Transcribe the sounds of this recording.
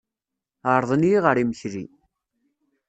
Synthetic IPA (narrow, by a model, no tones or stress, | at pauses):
əɾˤðˤənijʁəɾiməçɾi